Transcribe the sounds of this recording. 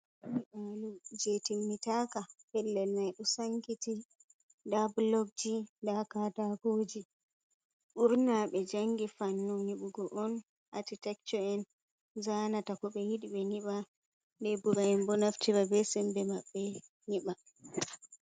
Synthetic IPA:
uʔalud͡ʒetimːitakahɛlːɛlnajɗɔsaŋkiti | dablɔɡ̚d͡ʒidakatakod͡ʒi | ɓuɾnaɓɛd͡ʒaŋɡifanːumniɓuɡɔʔɔn | ʔatitɛkt͡ʃɔɛn | zanatakɔɓɛjiɗiɓɛniɓa | ndɛbuɾaɛnbɔnaftiɾabɛsɛmbɛmaɓːɛ | niɓa

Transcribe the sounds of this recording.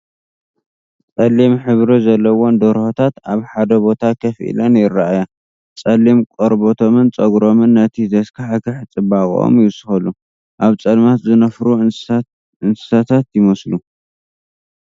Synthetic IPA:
t͡sʼɐlːimħɨβɾɨzɐlːɐwond̪oɾhot̪ʰat̪aβħad̪ɐbo̞t̪ʰakʰɐfʔḭlɐnjɪɾːaaja | t͡sʼɐlːimkʼoɾbot̪ʰo̞mɨnt͡sʼɐɡɾo̞mɨnːɐt̪ʰizɐskʰaħakɨħt͡sʼɨbakʼʔo̰mjɪsɨ̥xɐlu | ʔaβt͡sʼɐlmat̪zɨnɐfɾu | ɨnsɨ̥sat̪ʰat̪jɪmɐslu

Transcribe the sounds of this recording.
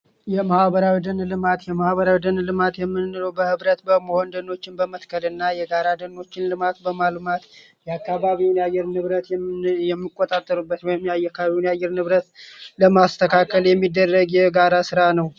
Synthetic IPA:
jɛmahβəɾawid̪ənlɨmat̪jɛmahβəɾawid̪ənlɨmat̪jɛmːɨnːɨɾəwbəhɨβɾət̪bəməho̞nd̪ənːo̞t͡ʃːɪnbəmət̪kʰəlɨnːajɛɡaɾad̪ənːo̞t͡ʃːɪnlɨmat̪bəmalmat̪ | jɛakːaβaβinjajːɛɾnɨβɾət̪jɛjɛmːikʼːot̪ʼat̪ʼːəɾubːət̪mːajakːaββiwnjajːɛɾnɨβɾət̪ləmast̪ʰəkʰakʰəljɛmːid̪ːərːəɡjɛɡaɾasɨɾanəw

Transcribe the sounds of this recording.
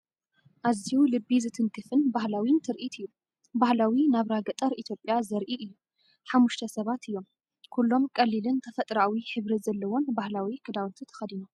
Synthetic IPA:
ʔaziwlɨbːizɨt̪ʰɨŋk̪ʰɨfɨnbahlawint̪ʰɨɾʔit̪ʰɨjːu | bahlawinaβɾaɡɐt̪ʼɐɾit̪ʰjo̞pʼjazɐɾʔiʔɨjːu | ħamːuʃt̪ʰɐsɐβat̪ɨjːo̞m | kʰulːo̞mkʼɐlːilɨnt̪ʰɐfɐt̪ʼɾawiħɨβɾizɐlːɐwo̞nbahlawikʰɨd̪awnt̪ʰit̪ʰɐ̥xɐd̪ino

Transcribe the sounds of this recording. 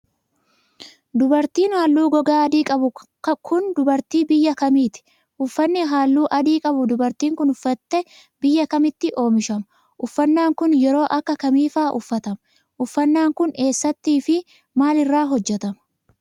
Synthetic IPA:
d̪ʊbɐɾt̪iːnhaːlːuːɡɔɡaːɐd̪iːkʼɐbʊ | kʰʊnd̪ʊbɐɾt̪iːbɪjːɐkɐmiːt̪ɪ̥ | ʔʊfːɐnːɪɦaːlːuːʔɐd̪iːkʼɐbʊd̪ʊbɐɾt̪iːŋkʊnʊfːɐt̪ːɛ | bɪjːɐkɐmɪt̪ːɪʔo̞ːmɪʃɐmɐ | ʔʊfːɐnːaːŋkʊnjɛɾo̞ːʔɐkːɐkɐmiːfaːʔʊfːɐt̪ɐmɐ | ʔʊfːɐnːaːŋkʊne̞ːsːɐt̪ːiːfɪ | maːlɪrːaːɦɔd͡ʒːɛt̪ɐmɐ̥

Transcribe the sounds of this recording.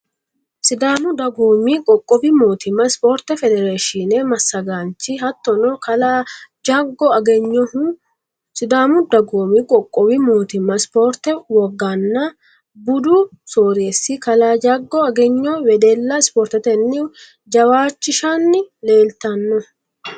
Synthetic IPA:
sɪd̪aːmʊd̪ɐɡoːmikʼɔkʼːɔbɪmoːt̪ɪmːɐspoːɾt̪ɛfɛd̪ɛɾeːʃɪnemɐsːɐɡaːnt͡ʃɪɦɐt̪ːɔnɔkɐlad͡ʒaɡːɔɐɡɛɲːɔ | sɪd̪aːmʊd̪ɐɡoːmikʼɔkʼːɔbɪmoːt̪ɪmːɐspoɾt̪ːɛwɔɡːanːɐ | bʊd̪ʊ | soːɾeːsːɪkɐlaːd͡ʒaɡːɔɐɡɛɲːɔwɛd̪ɛlːɐɪspoːɾt̪ɛt̪ɛnːɪ | d͡ʒɐwaːt͡ʃːɪʃanːɪle̞ːlt̪ɐnːɔ

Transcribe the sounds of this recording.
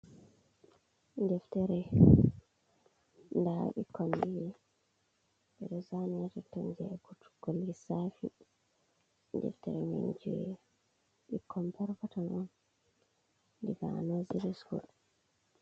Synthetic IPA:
ndɛftɛɾɛ | ndaɓikɔndiji | ɓɛɗɔzaniatɛtːɔɲd͡ʒɛɡutɡ̥olːisafḭ | ndɛ̰ftɛɾɛmḭɲd͡ʒuɛ | ɓikʰːɔmpɛɾkɔtanɔn | ndiɡa̰nɔziɾiskṵl

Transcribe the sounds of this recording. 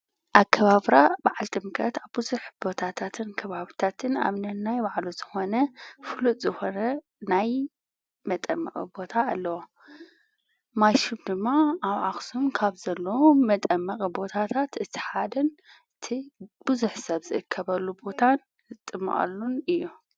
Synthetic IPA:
ʔaβkʰɐβaβɾab̥aʕalt̪ʼɨmkʼɐt̪aβbɨzuħb̥o̞t̪ʰat̪ʰat̪ʰɨnkʰɐβaβt̪ʰat̪ʰɨna̰βnɐnnːajbaʕluzɨxo̞nɐfɨluzɨxo̞nɐ | naj | mɐt̪ʼɐmːɐ̰kʼḭbo̞t̪ʰaːlːɐwo | majʃumd̪ɨmːaaβʕaxsumkʰaβzɐlːɐwomɐt̪ʼɐmːɐkʼibo̞t̪ʰat̪ʰat̪ɨt̪ʰɨ̥ħad̪ɐn | ɨt̪ʰib̥ɨzuħsɐβzɨʔɨkʰːɐβɐlːubo̞t̪ʰan | ɨt̪ʼːɨmːa̰ʔʼa̰lːunɨjːu

